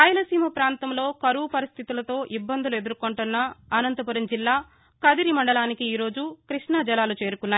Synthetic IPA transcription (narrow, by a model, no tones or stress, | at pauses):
aːjɐlɐsiːmɐpɾaːnt̪ɐmlo̞ːkɐɾupɐɾist̪ʰit̪ulɐt̪o̞ːʔibːɐnd̪ulue̞d̪uɾukoɳʈunːɐɐnɐnt̪ɐpuɾɐmd͡ʒilːaː | kɐd̪iɾimɐɳɖɐlaːnikiːɾo̞ːd͡ʒukɾiʂɳaːd͡ʒɐlaːlut͡ʃe̞ːɾukunːaːj